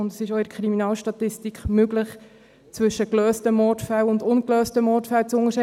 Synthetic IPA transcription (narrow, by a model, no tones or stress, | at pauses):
ʊndə̥sɪʃoɪdəkʰχɾiminɑːlʃtɑtɪstikχmʏɡlɪχ | t͡sʋʏʃəkløːstəmɔrtfælʊndʊnkløːstəmɔtfælt͡sʊŋəʃɛ